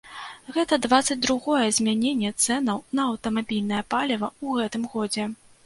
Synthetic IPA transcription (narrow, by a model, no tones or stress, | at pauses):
ɣɛt̪ɐd̪vat̪sɐd͡zʲd̪ɾuɣɔjɛzʲmʲanʲenʲːɛt̪sɛnɐwnɐːwt̪ɐmabʲilʲnɐjɐpalʲɐvɐuɣɛt̪ɨmɣɔd͡zʲɛ